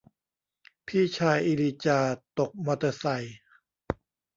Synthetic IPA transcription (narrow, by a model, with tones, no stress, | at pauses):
pʰiː˥˩t͡ɕʰaː˧jʔi˧liː˧t͡ɕaː˧˩t̪o˨˩k̚ma˧t̪a˧sa˨˧˩j